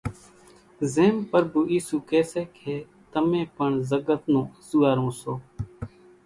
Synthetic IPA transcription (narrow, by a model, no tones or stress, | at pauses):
zeːmpəɾbuːʔiːsuːkeːseːkʰeː | t̪əmẽːpəɳzəɡət̪nõːsuːaːɾõːsoː